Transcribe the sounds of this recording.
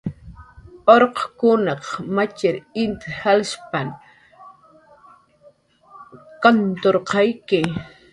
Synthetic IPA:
oɾqkʊnɑqmat͡ʃɪɾɪnt̪halʃpan | kant̪oɾqɑjkɪ

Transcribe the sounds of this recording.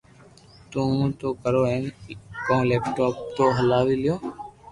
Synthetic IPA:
t̪ũːt̪oːkəɾoːẽkõleːp̚ʈoːp̚t̪oːɦəlaːʋiːlɪjoː

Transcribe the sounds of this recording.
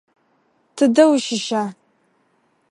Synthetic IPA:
tʰɨdɐwʃɪʃaː

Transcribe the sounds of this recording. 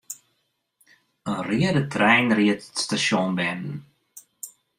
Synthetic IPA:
ənriədətʰrɛjnriətətstasjɔnbɛnn̩

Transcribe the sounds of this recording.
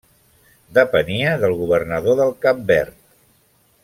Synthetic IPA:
d̪əpəniəðəlˠɣuβ̞ərnəðoðəlˠkap̚bɛrt̪̚

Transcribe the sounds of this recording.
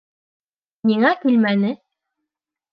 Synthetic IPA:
niŋækʉlmænɘ

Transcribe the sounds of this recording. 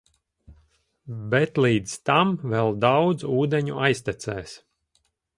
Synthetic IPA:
bɛt̪lˠiːd̪zt̪amvɛlˠd̪awd̪zuːd̪ɛɲuajst̪ɛt̪sɛːs

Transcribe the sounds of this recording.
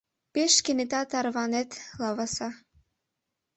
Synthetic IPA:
peʃkenet̪ɑt̪ɑɾβɑnet̪lɑβɑsɑ

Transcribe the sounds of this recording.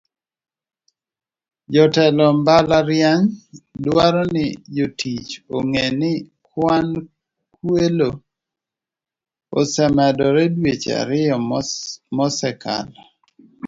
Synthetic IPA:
d͡ʒɔtɛlɔmbalaɾjaŋdwaɾɔnɪjotit͡ʃoŋenɪ | kwan | kwelo | osɛmɛdɔɾɛdwet͡ʃa̰ɾɪjɔ | mɔsɛkʰa̰la

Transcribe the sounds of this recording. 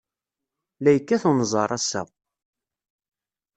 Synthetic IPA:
læjəkːæθunzˤɑɾˤæsæ̰

